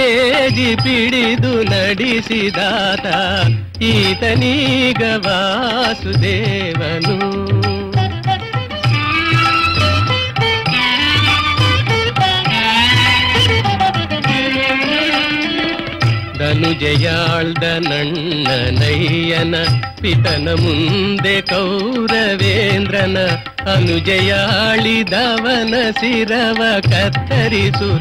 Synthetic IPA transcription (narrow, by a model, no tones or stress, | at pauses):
ed͡ʒipiɽid̪unɐɽisid̪aːt̪ɐ | iːt̪ɐniɡɐʋaːsud̪eːʋɐnu | d̪ɐnud͡ʒɐjaːɭd̪ɐnɐɳː | ɐnɐjːɐnɐ | piʈɐnɐmund̪ekɐwɾɐʋeːnd̪ɾɐnɐ | ɐnud͡ʒɐjaɭid̪aːʋɐnɐsiɾɐʋɐkɐt̪ːɐɾisu